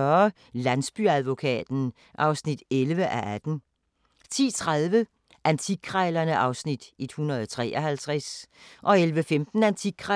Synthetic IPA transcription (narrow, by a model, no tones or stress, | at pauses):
ɶɐ | lænsb̥yæðˠʋo̝kʰɛ̰ːd̥n̩ | ʔɑ̈ʊsnid̥elʋəʔæʔæd̥n̩ | t͡sʰḭːt͡sʰʁaðˠʋə | ʔænt͡sʰiɡ̥̚ʰʁɑɪlɐnəʔɑ̈ʊsnid̥e̝d̥hunɐð̞ˠɒt͡sʰʁɛ̰ːʔɒhælt͡sʰʁɛsʔɒ̽elʋəfemd̥n̩ænt͡sʰiɡ̥̚kʰʁɑ